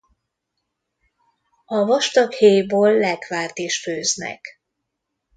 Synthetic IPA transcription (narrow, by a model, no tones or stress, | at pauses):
ɒvɒʃt̪ɒkheːjboːlːɛkʋaːrt̪iʃføːznɛ̰k